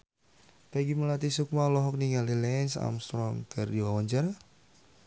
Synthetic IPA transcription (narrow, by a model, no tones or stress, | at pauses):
peɡiməlat̪isuk̚malɔɦɔk̚niŋalilɛnsa̰mst̪ɾɔŋkɨrdiwawaɲd͡ʒaɾa